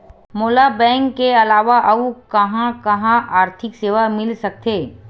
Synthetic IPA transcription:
moːlabɛ̃ːŋkːeɐlaːʋaʔɐukɐɦãkɐɦãʔaːɾt̪ʰɪkseːʋamɪlsɐk̚t̪eː

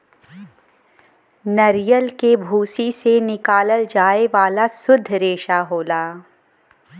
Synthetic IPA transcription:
nɐɾjəlkebʱuːsisenɪkaːləld͡ʒaːeʋaːlasʊd̪ʱːɾeːʃaɦoːlaː

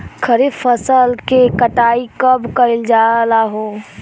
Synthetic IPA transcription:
kʰəɾifəsəlkekəʈaːikəbkəɾɪld͡ʒaːlaɦoː

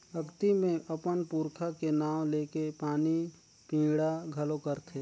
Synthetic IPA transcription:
əkt̪imẽʔəpənpuːɾkʰakenaːwleːkepaːni | pĩːɽaɡʱɐlokəɾt̪ʰeː

